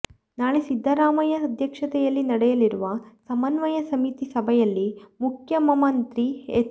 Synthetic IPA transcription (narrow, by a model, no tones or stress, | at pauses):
naːɭesid̪ʱːɐɾaːmɐjɐd̪ʱjɐkʂɐt̪ɛjɐlːinɐɽɛjɐliɾuʋɐsɐmɐnʋɐjɐsɐmit̪isɐbʱɐjɐlːimukʰjɐmɐmɐnt̪ɾie